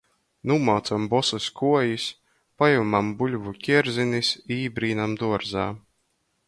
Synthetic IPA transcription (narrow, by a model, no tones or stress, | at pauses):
numawt̪sambɔsuskuɔjis | pajumambulʲvukʲiɛɾzinisiːbɾiːnamd̪uɔɾza̰ː